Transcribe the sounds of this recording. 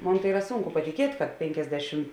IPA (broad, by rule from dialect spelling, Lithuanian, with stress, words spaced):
ˈmoːn tɐɪ ˈiːrɐ ˈsuːŋkʊ pɐtʲɪˈkʲiɛtʲ kɐt ˈpʲeːŋʲkʲɛzʲˌdʲæːʃʲɪm